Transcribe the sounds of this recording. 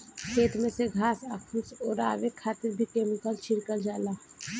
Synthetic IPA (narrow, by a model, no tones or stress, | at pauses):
kʰeːt̪mẽseɡʱaːsakʰusɔːɾa̰ːʋekʰaːt̪ɪɾbʱikeːmɪkəlt͡ʃʰɪɾkəld͡ʒaːlaː